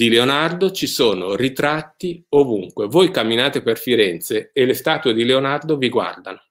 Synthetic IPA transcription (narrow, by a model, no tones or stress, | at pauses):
d̪ileonard̪ot͡ʃisoːnorit̪ɾat̪ːiovuŋkwevojkamːinaːt̪eperfiɾɛnt̪seelːest̪aːt̪ued̪ileonard̪oviɡwa̰rd̪ano